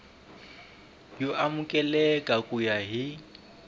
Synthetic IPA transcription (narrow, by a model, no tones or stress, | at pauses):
joʔamʊkʼɛlɛkʼakʼujaɦɪ